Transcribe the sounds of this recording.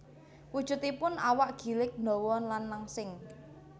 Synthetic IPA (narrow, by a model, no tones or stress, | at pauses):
wud̥ʒ̥ʊ̤t̪ipʊnawaʔɡ̥i̤lɪk̚nd̪ɔ̤wɔnlanːaŋsɪŋ